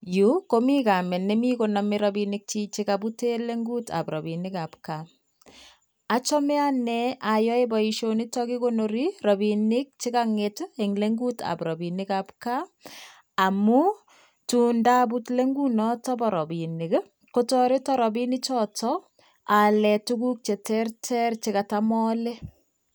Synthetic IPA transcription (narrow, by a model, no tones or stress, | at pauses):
jukomikamɛnemikonamɪɾɔbinɪk̚t͡ʃit͡ʃikabuteleŋɡuta̰pɾɔbinɪkap̚ka | at͡ʃɔmɛanɛajɔebɔiʃonitɔkikonoɾirɔbinɪk̚t͡ʃikaŋeteŋleŋɡuta̰pɾɔbinɪkapka | amu | tundab̬utleŋɡunɔtɔbɔɾɔbiniɡ | kotɔɾɪtɔɾɔbinit͡ʃɔtɔ | alɛtukuk̚t͡ʃetɛrtʰɛrt͡ʃɪkatamɔlɛ